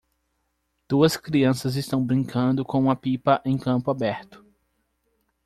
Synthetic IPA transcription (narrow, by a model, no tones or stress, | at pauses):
d̪̥uɐskɾiɐ̃sɐzɪst̪ɐ̃w̃bɾĩŋkʰɐ̃nd̪ʊkõw̃ũmɐpipɐʔẽj̃kɐ̃mpʊabɛɾt̪ʊ̥